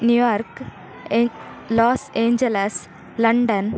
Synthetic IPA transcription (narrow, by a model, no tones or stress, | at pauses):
njujɔːɾk | lɔːsẽːɲd͡ʒeles | lɐɳɖən